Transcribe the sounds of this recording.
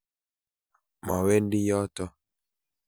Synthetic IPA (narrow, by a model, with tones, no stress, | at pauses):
ma̰˨we˦ndi˦jɔ˦tɔ˦